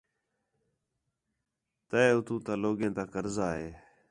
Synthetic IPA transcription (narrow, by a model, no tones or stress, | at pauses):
t̪əeʊt̪ʰũːt̪aːloːɡẽːt̪ãːkəɾzaːɦeː